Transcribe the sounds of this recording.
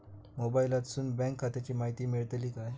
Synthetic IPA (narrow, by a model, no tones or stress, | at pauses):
mobailat̪suːnbɛ̃ŋkʰːat̪et͡ɕiːmaɦit̪iːmiɭt̪liːkaj